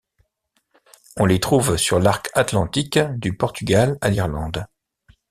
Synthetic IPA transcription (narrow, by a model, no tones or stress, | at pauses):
ɔ̃let̪χuvsyʁlaʁkat̪lɑ̃t̪ikd̪ypɔʁt̪yɡala̰liʁlɑ̃d̪